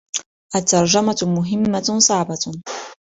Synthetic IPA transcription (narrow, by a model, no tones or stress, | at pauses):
ʔat̪ːɑɾˤd͡ʒamamʊɦɪmːasˤɑʕba